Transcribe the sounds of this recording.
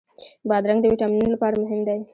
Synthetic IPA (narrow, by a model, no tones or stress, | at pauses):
bɑd̪ɾaŋɡd̪əwiʈamninlapɑɾamʊɦɪmd̪aj